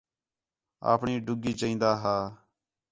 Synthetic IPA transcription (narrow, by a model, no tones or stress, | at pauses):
a̰ːpɳiːɖʊɡiːt͡ʃəĩːnd̪aːɦaː